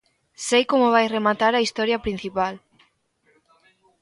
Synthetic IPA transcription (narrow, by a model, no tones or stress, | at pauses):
sejkomʊβ̞ajremat̪aɾɐist̪ɔɾjɐpɾin̟θipal